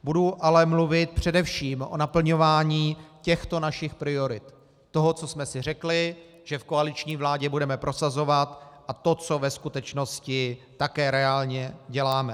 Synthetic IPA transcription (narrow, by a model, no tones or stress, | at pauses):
buduʔalɛmluvɪt̪̚pr̝̥ɛdɛfʃiːmʔo̞̰napl̩ɲo̞vaːɲiːcɛxt̪o̞naʃɪxpɾɪo̞ɾɪt̪ː | o̞ɦo̞t͡sosmɛsɪr̝ɛklɪ | ʒ̥ɛfkoalɪt͡ʃɲiːvlaːɟɛbudɛmɛpɾʔo̞sazo̞vat̪ʔat̪o̞t͡so̞vɛskut̪ɛt͡ʃno̞scɪt̪akɛːɾɛaːlɲɛɟɛlaːmɛ